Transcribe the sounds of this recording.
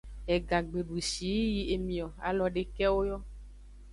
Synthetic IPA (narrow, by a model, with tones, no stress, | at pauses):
ɛ˨ɡa˨ɡ͡be˨ɖu˨ʃi˨˦ji˦e˨mĩ˨ɔ˨a̰˨lɔ˨ɖe˨kɛ˦wo˦jɔ˦